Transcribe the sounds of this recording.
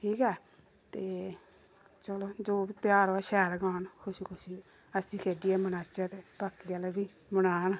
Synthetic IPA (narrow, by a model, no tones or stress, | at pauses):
ʈʰiːkɛː | t̪eː | t͡ʃəloːd͡ʒoːbit̪ɪaːɾaʃɛːlɡaːnkʰʊʃikʰʊʃi | əsĩːkʰeːɖiɛːmənaːt͡ʃaːt̪eːpaːkːialɛbiː | mənaːn